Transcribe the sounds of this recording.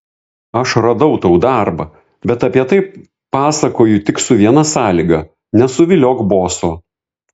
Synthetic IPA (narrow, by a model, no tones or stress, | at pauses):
ɐʃɾɐd̪ɐʊt̪ɐʊd̪ɑɾbɐ | bʲɛt̪ɐpʲiɛt̪ɐɪ | pɑːsɐkoːjʊt̪ʲɪksʊʋʲiɛnɐsɑːlʲiɡɐ | nʲɛsʊʋʲɪlʲoːkboːsoː